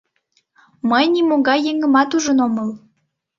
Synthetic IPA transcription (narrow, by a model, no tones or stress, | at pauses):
məjnimoŋɡɑjːeŋə̆mɑt̪uʒənoməl